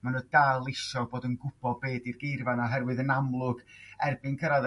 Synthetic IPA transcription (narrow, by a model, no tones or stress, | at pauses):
manədalˠɪsɔboːdənɡʊb̥ɔbeːdirɡejrvanɔɦɛrwɨðənamlˠʊɡ̥ɛrbɪnkʰəɾað